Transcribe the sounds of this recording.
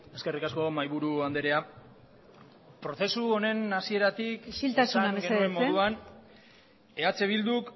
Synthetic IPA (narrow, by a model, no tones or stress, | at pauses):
e̞ske̞rikasko̞majβuɾuand̪e̞ɾe̞a | pɾo̞θe̞suo̞ne̞nasie̞ɾat̪iksilt̪asanaβeɡeemːoðuan | e̞at͡se̞βild̪uk